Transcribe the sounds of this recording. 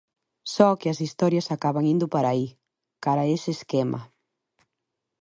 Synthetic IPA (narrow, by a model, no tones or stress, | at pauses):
sɔkɪɐsist̪ɔɾjɐsakaβaŋind̪ʊpaɾai | kaɾɐeseːskemʔɐ̰